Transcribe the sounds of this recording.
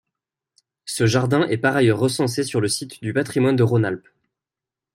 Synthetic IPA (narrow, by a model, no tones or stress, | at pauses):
səʒaʁd̪ɛ̃ʔɛpaʁajœʁːəsɑ̃s̬esyʁləsit̪d̪ypat̪χimwand̪əʁonalp